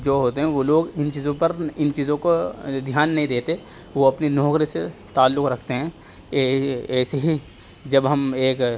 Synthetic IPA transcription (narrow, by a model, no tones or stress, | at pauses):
d͡ʒoːɦoːt̪eɦɛ̃ʋoːloːɡɪnt͡ʃiːzõpɐɾɪnt͡ʃiːzõkod̪ʱjaːnːɐɦĩd̪eːt̪eʋoɐpninɔːkɾiset̪aːlːʊkɾɐkʰt̪eɦɛ̃ː | ɛːseɦi | d͡ʒɐbɦɐmeːk